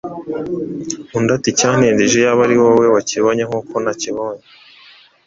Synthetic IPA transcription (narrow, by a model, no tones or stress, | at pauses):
undaticaːn̥iːndiʒojaβaɾiwowewaciβoɲeŋuːko̞naciβoɲe